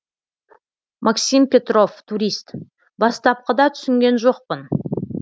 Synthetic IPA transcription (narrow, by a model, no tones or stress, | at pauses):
mʔaksʲimpʲe̞t̪ro̞ft̪ʰuɾʲist̪ | bɑst̪ɑp̚qəd̪ɑt̪ʰʏ̥sɪŋɡʲe̞nʒo̞q̚pən